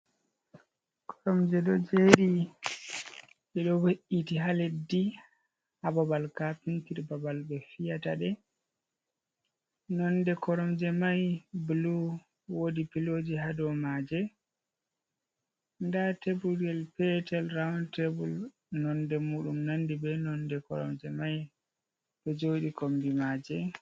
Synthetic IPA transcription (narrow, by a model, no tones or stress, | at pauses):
kʰɔɾɔmd͡ʒɛɗɔd͡ʒeɗi | ɓɛɗɔweʔitiɦaledi | hababalkapintiɾbabalbɛfijataɗɛ | nɔnːdɛkɔɾɔmd͡ʒɛmajblu | wodipilod͡ʒiɦadɔmad͡ʒɛ | ndatebuɡɛlpɛtɛlɾawntebul | nɔndɛmuːɗumnandibɛnɔndɛkɔ̰ɾɔ̰md͡ʒɛmaj | ɗɔd͡ʒoɗikombimad͡ʒɛ